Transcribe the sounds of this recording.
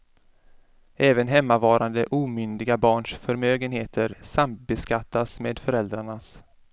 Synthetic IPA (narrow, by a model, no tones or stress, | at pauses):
ʔɛːvənɦɛmːavɑːɾʔand̪əʔuːmʏnd̪ɪɡabɑːɳʂfœɾmøːɡənheːt̪ʰəɾsamt̪̚bɛskat̪ːasmeːd̪fœɾɛld̪ɾaɳas